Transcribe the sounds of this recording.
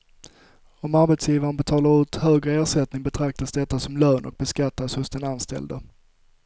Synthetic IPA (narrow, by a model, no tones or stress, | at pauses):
ɔmaɾbɛt̪sjiːvaɾənbɛt̪ʰɑːlaɾʉ̟ːt̪høːɡɾəeːʂɛt̪nɪŋbɛt̪ʰɾak̚t̪asd̪ɛt̪ːasɔmløːnʔɔ̰k̚bɛskat̪ːashʊsd̪ɛnanst̪ɛ̰ld̪a